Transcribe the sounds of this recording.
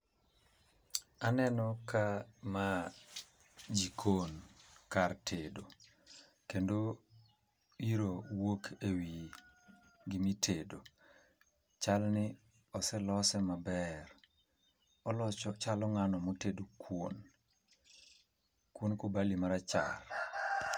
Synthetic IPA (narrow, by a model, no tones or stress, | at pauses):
anɛnɔkama | d͡ʒikʰonkartʰedo | kendo | iɾowokʰewi | ɡɪmitʰedo | t͡ʃalnɪ | ɔsɛlɔsɛmabɛr | ɔlɔt͡ʃɔt͡ʃalɔŋanɔmotedokʰwon | kwonkobalimaɾat͡ʃa̰r